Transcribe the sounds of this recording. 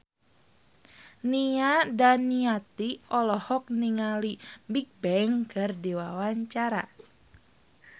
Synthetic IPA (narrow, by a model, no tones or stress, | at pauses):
niadaniat̪iʔɔlɔhɔk̚niŋalimbik̚bɛŋkɨrdiwawaɲt͡ʃaɾa̰